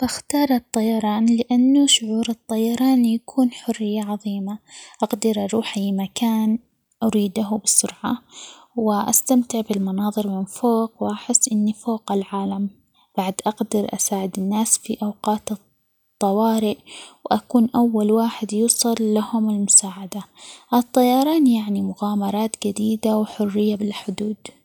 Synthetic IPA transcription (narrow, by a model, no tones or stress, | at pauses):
baxt̪ɑːɾˤɨt̪ˤːɑjɑɾˤɑːnlɪʔanːuʃʊʕuːɾɨt̪ˤːɑjɑɾˤɑːnjakʰuːnħʊrːɪjːaʕɑðˤiːmaʔɑqd̪ɪɾʔɑɾˤuːħajːɪmakaːn | ʔaɾiːd̪aɦʊbɪsːʊɾʕa | wɪʔa̰st̪amt̪ɪʕbɪlmɑnɑːðˤɨɾmɪnfoːqwʔaħɪsːʔɪnːifoːqɪlʕaːlam | b̥aʕd̪ʔɑɡd̪ɪɾʔa̰saːʕɪd̪ɪnːaːsfiʔawqɑːt̪ɨ | t̪ˤːɑwɑːɾɪʔwʔakuːnʔawːalwaːħɪd̪juːsˤɨlːahʊmɪlmʊsaːʕad̪aʔɨt̪ˤːɑjɑɾˤɑːnjaʕnimʊɣaːmɑɾˤɑːt̪d͡ʒad̪iːd̪awħʊrːɪjːabɪlħʊd̪uːd̪